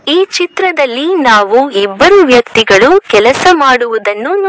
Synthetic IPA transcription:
iːt͡ʃit̪ɾɐd̪ɐlːinaːʋuibːɐɾuʋjɐkt̪iɡɐɭukɛlɐsɐmaːɽuʋud̪ɐnːun

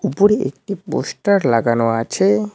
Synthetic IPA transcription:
upoɾeʔḛk̚ʈipo̰sʈaɾlaɡanoat͡ɕʰe

